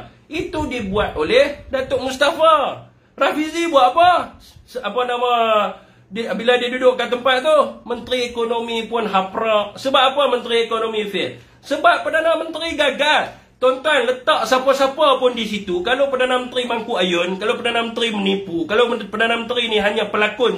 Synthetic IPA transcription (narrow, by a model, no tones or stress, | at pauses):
it̪udibuat̪̚olɛhdat̪oʔmust̪afa | rafizibuaʔapa | səapanama | dibiladiadudʊʔkːat̪əmpat̪̚t̪uhmənt̪əɾiekonomipʊnɦapɾɔk̚səbap̚apamənt̪ɾiekonomifɪl | səbapːərdanamənt̪ɾiɡaɡal | t̪ɔnt̪anlət̪aʔsapasapapʊndisit̪ukalopərdanamənt̪ɾimaŋkuajʊnkalopərdanamənt̪ɾimənipukalopərdanamənt̪ɾiniɦaɲapəlakʊn